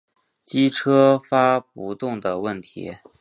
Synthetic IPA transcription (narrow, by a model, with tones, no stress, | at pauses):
t͡ɕi˥ʈ͡ʂʰɤ˥fa˥p̚u˧˥t̪ʊ˥˩ŋd̪ə˩wə˥˩nt̪ʰḭ˧˥